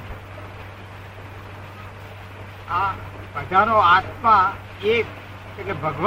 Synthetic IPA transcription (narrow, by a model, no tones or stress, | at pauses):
a | pəd͡ʒanoat̪ma | ek | kekebʱəɡʋ